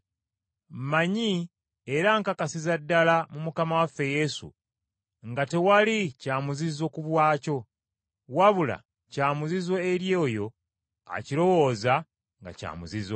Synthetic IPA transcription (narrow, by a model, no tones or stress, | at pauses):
maɲi | e̞ɾaŋkakasizadːalamumukamawafːe̞je̞sṵ | ŋɡate̞walicaːmuzizo̞kuβwaːco̞ | waβula̰ | caːmuzizwo̞eɾjo̞ːjo̞ | a̰ciɾo̞wo̞ːza | ŋɡa̰ca̰ːmuzizo